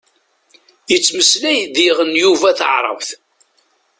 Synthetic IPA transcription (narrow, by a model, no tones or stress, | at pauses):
jət͡sːməslæjðiʁənjuvæθə̰ʕɾˤə̰vθ